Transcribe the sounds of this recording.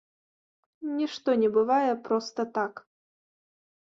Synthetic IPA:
nʲiʂt̪ɔnʲɛbɨvajɛpɾɔst̪ɐt̪ak

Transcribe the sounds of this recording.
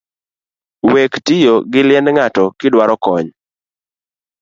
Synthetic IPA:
wektɪjoɡɪlɪɛnŋatɔkɪdwaɾɔkɔɲ

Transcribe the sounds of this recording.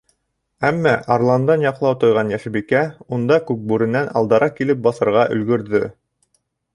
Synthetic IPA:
æmːæʔɑɾlˠɑnd̪ɑnjɑqlˠɑwt̪ŏjʁɑnjæʃɘbikæund̪ɑkʉk̚bʉɾɘ̆nænɑ̰lˠd̪ɑɾɑkilɘp̚bɑsɤ̆ɾʁɑʔɵ̆lɡɵ̆ɾðɵ

